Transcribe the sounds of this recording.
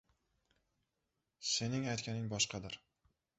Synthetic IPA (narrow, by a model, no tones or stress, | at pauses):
se̞nɪŋajt̪kʲanɪŋbɒʃqʰɑd̪ɪɾ